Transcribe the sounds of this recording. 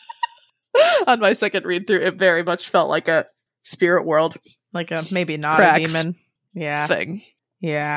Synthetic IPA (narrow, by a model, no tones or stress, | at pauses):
ə̃nmaɪsɛkɨ̃ndɹid̪̚θɹʉʔɪtvɛɹimʌt͡ʃfɛlˠʔlʔa̰ɪkɨ | spɪɹɨʔwɜ˞lˠd̥ | laɪkɨmeɪbinəɹæimɨ̃n | jæθɪ̰̃ŋ | jæ